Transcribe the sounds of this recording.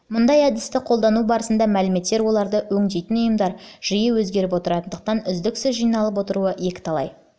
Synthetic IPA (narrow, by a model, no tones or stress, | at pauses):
mʊnd̪ɑjæd̪ɪst̪ɪqʰo̞lˠd̪ɑnubɑɾəsənd̪ɑmælɪme̞t̪ːe̞ɾwo̞lˠɑɾd̪əwɵŋd̪ejt̪ɪnʊjəmd̪ɑɾʒ̥ijəwɵzɡʲe̞ɾɪpwo̞t̪əɾɑt̪ənd̪əq̚t̪ɑnʏzd̪ɪksʏzʒijnɑlˠəp̬wo̞t̪əɾuəje̞kʲɪ̥t̪ʰɑlˠɑ̰j